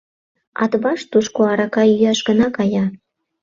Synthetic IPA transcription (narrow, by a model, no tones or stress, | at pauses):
ɑ̰t̪βɑʃt̪uʃkoɑɾɑkɑyjɑʃɡə̆nɑkɑjɑ